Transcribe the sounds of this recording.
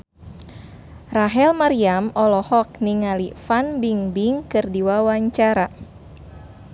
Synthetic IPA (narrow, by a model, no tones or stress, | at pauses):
raɦɛlmaɾiamɔlɔhɔk̚niŋalifanbiŋbiŋkɨrdiwawaɲt͡ʃaɾa